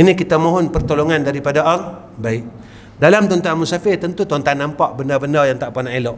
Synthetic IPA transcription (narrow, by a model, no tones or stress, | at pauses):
inikit̪amoɦɔnpərt̪olɔŋandaɾipadaʔal | baɪʔ | dalamt̪ɔnt̪anmusafɪt̪ənt̪ut̪ɔnt̪anːampaʔbəndabəndajaŋt̪aʔpanãʔeloʔ